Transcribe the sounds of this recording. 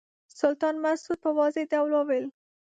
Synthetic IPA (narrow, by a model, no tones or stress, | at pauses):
sʊlt̪ɑnmasud̪̚pəwɑzed̪awlowel